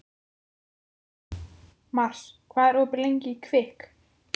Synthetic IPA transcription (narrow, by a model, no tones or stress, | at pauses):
mar̥skʰvaːðɛɾɔːpɪɾlejɲcɪikʰvɪhk